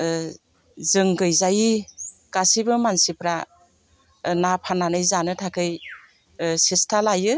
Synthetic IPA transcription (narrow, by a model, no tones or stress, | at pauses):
zɯŋɡɯjzajikasibɯmansipɾa | napʰananɯjzanɯtʰakʰɯj | sestʰalajɯ